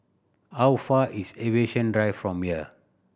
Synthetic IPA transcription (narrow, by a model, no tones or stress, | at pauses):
hawfaʔiseveʃə̃ndɹaɪfɹɔ̃mhiə